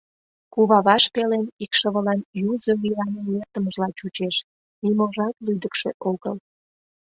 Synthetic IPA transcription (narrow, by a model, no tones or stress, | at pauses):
kuβɑβɑʃpelenikʃəβəlɑnjuzəβilɑnelert̪əməʒlɑt͡ɕut͡ɕeʃ | nimoʒɑt̪lyd̪əkʃeʔoɣəl